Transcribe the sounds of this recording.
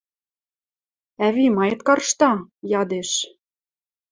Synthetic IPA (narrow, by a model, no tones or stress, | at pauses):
æβimɑjɤ̆t̪kɑrʃt̪ɑjɑd̪eʃ